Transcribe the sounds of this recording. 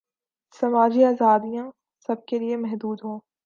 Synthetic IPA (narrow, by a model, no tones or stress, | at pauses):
sɐmaːd͡ʒiaːzaːd̪ijã | sɐb̚keliemɛɦd̪uːd̪ɦõː